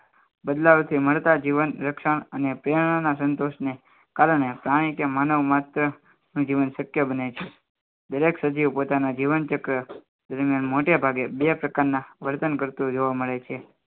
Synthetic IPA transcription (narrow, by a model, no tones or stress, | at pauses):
bəd̪laʋt̪ʰiməɭt̪ad͡ʒiʋənɾəkʃəɳ̃ənepɾeɳ̃anasənt̪oʃne | kaɾəɳ̃epɾaɽ̃ikemanəʋmat̪ɾə | nũd͡ʒiʋənsəkjəbənet͡ʃʰe | d̪əɾeksəd͡ʒiʋpot̪anad͡ʒiʋənt͡ʃəkɾə | d̪əɾmijanmoʈebʱaɡebepɾəkaɾnãʋəɾt̪ənkəɾt̪ũd͡ʒoʋaməɭet͡ʃʰe